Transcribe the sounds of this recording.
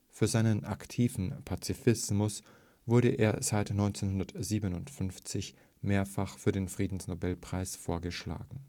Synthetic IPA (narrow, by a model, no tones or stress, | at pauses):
fyːɐzaɪnənʔa̰ktʰiːvn̩pʰat͡sifɪsmʊs | vʊɐɾə̰ʔḛːɐz̥aɪtnɔʏnt͡senhʊndɐtz̥iːbənʊntfʏnft͡sɪç | meːɐfaχfyːɐdeːnfʁ̥iːdn̩snobɛlpʁ̥aɪsfoːɐɡəʃla̰ːɡŋ̩